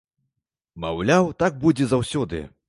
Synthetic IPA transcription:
ma̰wlʲawt̪aɡ̚bud͡zʲɛzawsʲɔd̪ɨ̰

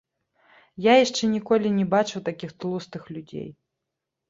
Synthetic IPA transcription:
jajaʂt͡ʂɛnʲikɔlʲinʲɛbat͡ʂɨwt̪akʲixt̪lˠust̪ɨxlʲud͡zʲḛj

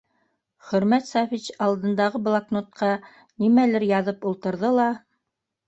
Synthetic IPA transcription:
χɵ̆ɾmæt̪sɑfit͡ɕɑlˠd̪ɤ̆nd̪ɑʁɤblˠaknot̪̚qɑ | nimælɘɾjɑðɤpulˠt̪ɤ̆ɾðɤlˠɑ

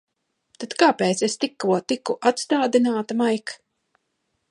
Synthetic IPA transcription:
t̪at̪kaːpeːt̪sest̪ikːuɔt̪ikːuʔat̪st̪aːd̪inaːt̪amajk

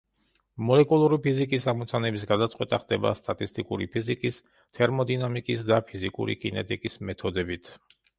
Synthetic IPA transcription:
mɔlɛkʼulˠuɾipʰizikʼisamɔt̪sʰanɛbis̬ɡad̪at̪sʼqʼwɛt̪ʼaχd̪ɛba̰st̪ʼat̪ʼist̪ʼikʼṵɾḭpʰizikʼis | t̪ʰɛɾmɔd̪inamikʼisd̪apʰizikʼṵɾḭkʼinɛt̪ʼikʼismɛt̪ʰɔd̪ɛbit̪ʰ

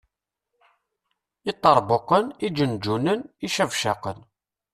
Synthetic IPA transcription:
ɪt̪ˤːɑɾˤboqənid͡ʒənd͡ʒunəniʃævʃɑqən

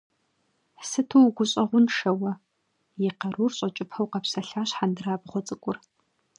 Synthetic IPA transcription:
ħsɨtʰuwɡʷʊɕʼɐʁʷʊnʂɐwɐ | jɪqɐɾurɕʼɐt͡ʃʼɪpʰɐwqɐpsɐɬaːɕħandɨraːbʁʷɔt͡sʼɨkʷʼʊr

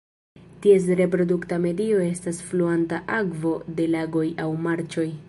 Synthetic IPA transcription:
tie̞s̬ɾe̞pɾo̞duktame̞dio̞e̞stasfluantaʔakvo̞de̞laɡo̞jawmaɾt͡ʃo̞j

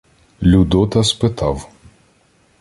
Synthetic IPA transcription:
lʲud̪ɔt̪ɐspɪt̪ʰɑw

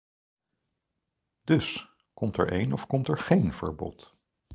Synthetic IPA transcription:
d̥ɵs | kɔmtɛ̰ɹʔejnɔfkɔmtɛɹχejnv̥ə̰ɹbɔ̰t

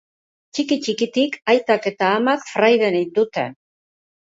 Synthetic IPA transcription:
t͡ʃikit͡ʃikit̪ikajt̪ake̞t̪aːmakfɾajðe̞nejd̪ut̪e̞̰

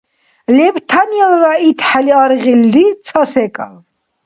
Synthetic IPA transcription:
lɛvt̪ʰanjɛlɾait̪ʰħaliaɾʁilːit͡sʰasɛkʼa̰l

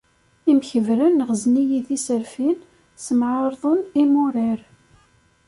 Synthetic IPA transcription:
imçəvɾənːəʁəznijiθisəɾfin | səmʕɑɾðˤʊnimʊɾiɾ

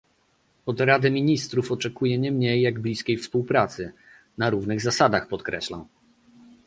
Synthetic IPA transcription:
ɔd̪ɾad̪ɘmʲiɲist̪ɾufɔt͡ʂɛkujɛɲɛmɲejːaɡblʲiskʲejfspuwpɾat̪sɘ | naɾuvnɘɣzasad̪axpɔt̪kɾɛ̰ɕla̰m

